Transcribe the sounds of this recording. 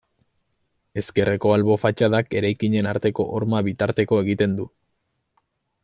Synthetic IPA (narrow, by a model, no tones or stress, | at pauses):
e̞ske̞re̞ko̞alβo̞fat͡ʃaðake̞ɾajkiɲe̞naɾt̪e̞ko̞̰ʔoɾmaβit̪aɾt̪e̞ko̞e̞ɣ̞it̪e̞nd̪u